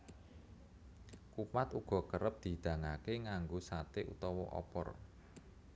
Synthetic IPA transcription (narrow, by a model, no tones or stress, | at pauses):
kupat̪uɡ̥ɔ̤kəɾəp̚d̪̥i̤d̪̥ä̤ŋakeŋaŋɡosat̪eʔṵt̪ɔwɔ̰ʔɔ̰pɔ̰r